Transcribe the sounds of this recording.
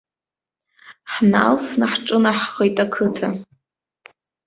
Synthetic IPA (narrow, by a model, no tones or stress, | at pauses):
ħna̰lsnaħʈ͡ʂʼɨnaħχejtʼakʰɨtʰa